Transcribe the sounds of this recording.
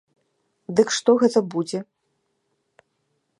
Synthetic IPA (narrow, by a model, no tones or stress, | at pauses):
d̪ɨkʂt̪ɔɣɛt̪ɐbud͡zʲɛ